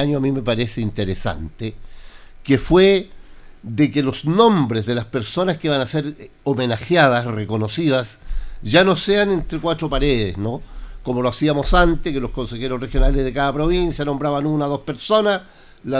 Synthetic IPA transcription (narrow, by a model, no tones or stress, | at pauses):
aɲoamimepaɾeseint̪eɾesa̰nt̪e | kefwe | ðekelosnõ̞mbɾezðelaspe̞ɾso̞naskeβanaseɾ | omenaxjaðasreko̞no̞siðasʝanoseanent̪ɾekwatɾopaɾeðesnokomo̞loasiamo̞sant̪ekelosko̞nsexeɾorexjo̞nalezðekaðapɾo̞βinsjano̞mbɾaβanunaðospeɾso̞nas | la